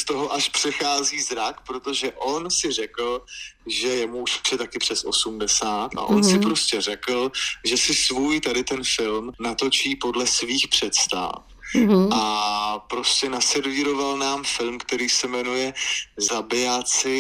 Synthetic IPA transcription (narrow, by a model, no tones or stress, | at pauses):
st̪oɦo̞ʔaʃpr̥ɛxaːziːzɾakpɾo̞t̪o̞ʒɛʔo̞nsɪrɛkl̩ʒɛjɛmuuʃpr̥ɛt̪akɪpr̥ɛsʔo̞̰sumdɛsaːt̪ʔa̰ʔo̞nsɪpɾoscɛrɛkl̩ʒɛsɪsvuːjt̪adɪt̪ɛnfɪlmnat̪o̞t͡ʃiːpo̞dlɛsviːxpr̝̥ɛt̪st̪a̰f | ʔapɾo̞scɛnasɛɾviːɾo̞valnaːmfɪlmkt̪ɛɾiːsɛmɛnujɛzabɪat͡sɪ